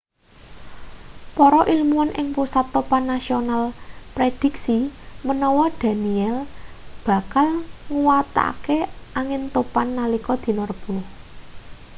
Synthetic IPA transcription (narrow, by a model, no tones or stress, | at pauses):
pɔɾɔʔilmuanʔɪŋpusat̪ːopanːasionalpɾed̪̥i̤ksimənɔwɔd̪̥a̤niɛlb̥ä̤kalŋuwat̪a̰keʔaŋɪnt̪opanːalikɔd̪̥i̤nɔrb̥uh